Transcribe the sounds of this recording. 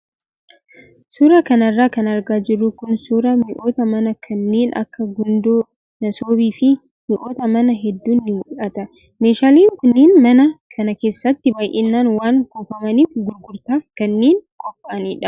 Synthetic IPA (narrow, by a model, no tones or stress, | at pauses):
suːɾɐkɐnɐrːaːkɐnɐɾɡaːd͡ʒɪrːʊkʊnsuːɾɐmɪʔo̞ːt̪ɐmɐnɐkʰɐnːeːnʔɐ̰kːɐɡʊnd̪oː | nɐsoːbiːfɪ | mɪʔo̞ːt̪ɐmɐnɐɦɛd̪ːuːnːɪmʊᶑɐt̪ɐ | me̞ːʃaːliːŋkʊnːiːnmɐnɐkʰɐnɐke̞ːsːɐt̪ːɪbaːjʔenːaːnwaːŋkoːfɐmɐniːfɡʊɾɡʊɾt̪aːkɐnːeːnkʼɔpʼːaɐniːᶑɐ